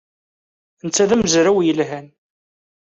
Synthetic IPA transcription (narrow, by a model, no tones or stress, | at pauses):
nt͡sːæðæmzɾæwjəlɦæn